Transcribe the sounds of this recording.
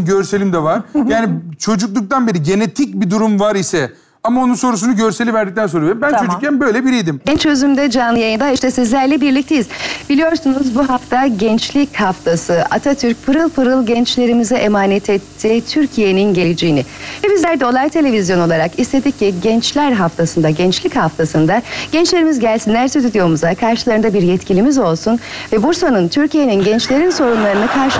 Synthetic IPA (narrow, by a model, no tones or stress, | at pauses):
ɟøɾselʲimd̪ɛvaɾjaːnit͡ʃʰo̞d͡ʒuk̚lˠuk̚t̪ʰanbeɾiɟe̞net̪ʰic̚bid̪uɾumvaɾisɛ | amaonunso̞ɾusunuɟøɾselʲivæɾd̪ic̚t̪ænsoɾaɾimbænt͡ʃʰod͡ʒucʰænbø̞jlʲɛbiɾijd̪imɟɛnt͡ʃʰø̞zymd̪ɛd͡ʒanlˠɯjajɯnd̪aiʃt̪ʰɛsizlʲæɾlʲɛbiɾlʲic̚t̪ejizbilʲijo̞ɾsunuzbuɦaft̪ʰaɟɛnt͡ʃlʲichaft̪ʰasɯʔat̪ʰat̪ʰyɾc̚pʰɯɾɯlˠpɯɾɯlˠɟɛnt͡ʃlʲe̞ɾimizɛʔemaːnɛt̪ʰɛt̪ʰːiːt̪ʰyɾcʰije̞ninɟelʲed͡ʒejinɪbizlʲæɾd̪o̞lˠajt̪ʰe̞lʲe̞vʲizjo̞no̞lˠaɾakist̪e̞d̪ic̚ciɟɛnt͡ʃlʲæɾɦaft̪ʰasɯnd̪aɟɛnt͡ʃlʲichaft̪ʰasɯnd̪aɟ̥ɛnt͡ʃlʲe̞ɾimizɟælʲsinlʲæɾsit̪yd̪ijo̞muzakʰaɾʃɯlˠaɾɯnd̪abiɾjɛt̪cilʲimizo̞lˠsun | vɛbuɾsanɯnt̪ʰyɾcijeninɟɛnt͡ʃlʲe̞ɾinso̞ɾunlˠaɾɯnɯkʰaɾʃ